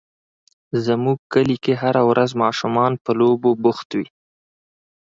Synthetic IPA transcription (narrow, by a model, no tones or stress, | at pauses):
zəmuɡ̚kəlikeɦaɾawɾʔazmɑʃʊmɑnpəlobobʊxt̪wi